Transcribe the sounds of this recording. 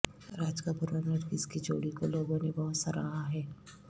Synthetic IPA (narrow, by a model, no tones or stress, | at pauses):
ɾaːd͡ʒkapʊɾanɐʈkɪskid͡ʒo̰ːɽikoloːɡõnebɐɦʊt̪sɐɾaːɦaɦɛː